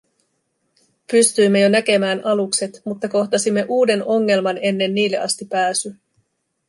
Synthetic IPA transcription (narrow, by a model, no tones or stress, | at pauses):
pyst̪yjmːe̞jo̞næke̞mæːnɑlukse̞t̪mut̪ːɑko̞ht̪ɑsimːe̞ʔuːde̞no̞ŋːe̞lmɑne̞nːe̞nːiːlːe̞ʔɑst̪ipæːsy